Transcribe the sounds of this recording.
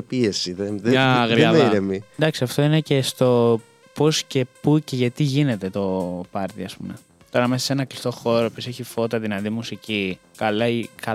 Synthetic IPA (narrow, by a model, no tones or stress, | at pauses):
piesiðeðɐɣɾiɐɾemind̪ɐksiɐft̪o̞ine̞cest̪o̞ | po̞sce̞puce̞ʝɐt̪iʝine̞t̪e̞t̪o̞pɐɾt̪iɐspṵme | t̪o̞ɾɐmesɐ̥se̞nɐklist̪o̞xo̞ɾopioseçifo̞t̪ɐðinɐðimusici | kɐlɐikɐ